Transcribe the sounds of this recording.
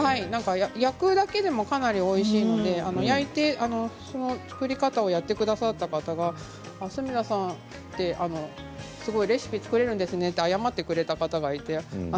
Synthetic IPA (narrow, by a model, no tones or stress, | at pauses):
hainãŋkajajakɯ̟d̪ake̞d̪e̞mo̞kanaɾʲio̞iɕiːno̞d̪e̞ano̞jait̪e̞ʔano̞so̞no̞t͡sɨ̥kɯ̟ɾʲikat̪aojat̪ːe̞kɯ̟d̪asat̪ːakat̪aɡaː | sɨmʲid̪asãn | t̪e̞ʔano̞ | sɨɡo̞iɾe̞sɨ̥pʲit͡sɨ̥kɯ̟ɾe̞ɾɯ̟nd̪e̞sɨne̞t̪ːeajamat̪ːe̞kɯ̟ɾe̞t̪akat̪aɡait̪e̞